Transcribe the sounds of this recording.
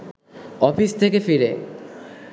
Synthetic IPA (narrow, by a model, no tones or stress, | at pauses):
ɔfist̪ʰekefiɾe